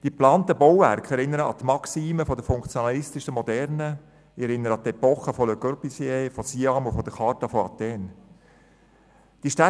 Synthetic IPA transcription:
d̥iplɑːnt̪əbɔwvæ̰rkχɛɾɪnːəɾəɑ̰t̪mɑksiːməfɔdəfʊŋkt͡sjonɑlɪstɪʃəmɔdɛɾnə | ɛɾɪnːəɾəɑt̪ɛpɔχəfɔløɡørpisjefosiɑmufɔd̥əχɑɾtɑfɔɑ̰t̪ɛːn | d̥iʃtæ

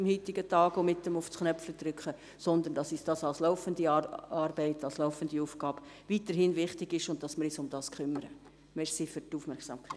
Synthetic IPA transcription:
ɪmhiːtɪɡətɑːɡ̥omɪtːəmʊfsknœpfləd̪ɾʏkχə | sɔnd̪əndɑsisd̥ɑːsɑlslɔʊfəndiɑɑːɾbɛɪtɑlslɔʊfənd̥iuːfɡ̥ɑːb̥ | vitəɾhɪnʋɪχtɪɡɪʃʊnt̚tɑsmɪɾɪsʊmd̥ɑːskχʏməɾə | mɛʃsifʏɾtuːfmɛɾksɑ̰ːmkʰɛɪt

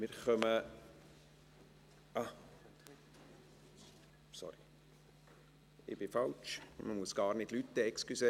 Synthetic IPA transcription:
mɪɾχœmə | ɑ | sɔ̰ɾi | ɪ̰b̥ɪfɑlt͡ʃməmuəsɡ̥ɑːɾnɪdlyt̪ːəɛkskyse

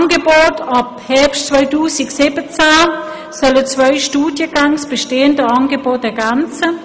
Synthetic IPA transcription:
nɡəboːtʰɑphɛɐpʃtt͡sv̥œʏtuːsɪksɪbət͡sɛ | sœlət͡svœʏʃtuːdjəɡ̥aŋsb̥əʃteːəndəɑnɡəboːt̚d̥ɛɐɡɛnt͡sə

